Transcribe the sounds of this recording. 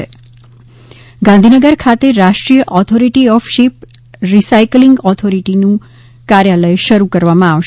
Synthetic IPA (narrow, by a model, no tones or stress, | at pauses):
ḛ | ɡãnd̪ʱinəɡəɾkʰat̪eɾaʃʈɾijəʔɔt̪ʰoɾiʈiɔfʃip̚ɾisajkliŋɡɔt̪ʰoɾiʈinũ | kaɾjaləjʃəɾukəɾʋamãaʋʃ